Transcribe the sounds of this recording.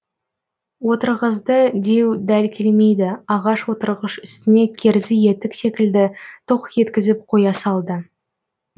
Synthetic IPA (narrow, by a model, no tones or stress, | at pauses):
wo̞t̪əɾʁəzd̪əd̪e̞wd̪ælkʲʰelme̞jd̪ɪɑʁɑʃwo̞t̪əɾʁəʃʏst̪ɪne̞kʲʰeɾzɪje̞t̪ɪkse̞kʲɪld̪ɪt̪ʰoqje̞t̪kʲɪzɪp̚qʰo̞jɑsɑlˠd̪ə